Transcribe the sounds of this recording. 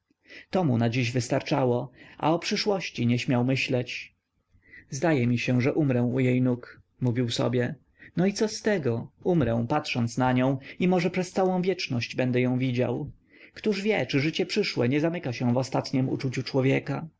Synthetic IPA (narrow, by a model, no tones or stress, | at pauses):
t̪ɔmunad͡ʑiʑvɘst̪aɾt͡ʂawɔʔa̰ɔpʂɘʂwɔɕt͡ɕiɲɛɕmʲjawmɘɕlɛt͡ɕ | zd̪ajɛmʲiɕɛʐɛʔumɾɛw̃ujejnuk | muvʲiwsɔ̰bʲjɛ | nɔit̪sɔst̪ɛɡɔumɾɛ̃w̃pat̪ʂɔnt̪snaɲɔ̃w̃imɔʐɛpʂɛst̪sawɔ̃w̃vʲjɛt͡ʂnɔɕd͡ʑbɛnd̪ɛjɔ̃w̃vʲid͡ʑa̰w | kt̪uʐvʲjɛt͡ʂɘʐɘt͡ɕɛpʂɘʂwɛɲɛzamɘkaɕɛ̃vɔst̪at̪ɲɛmṵt͡ʂut͡ɕut͡ʂwɔvʲjɛka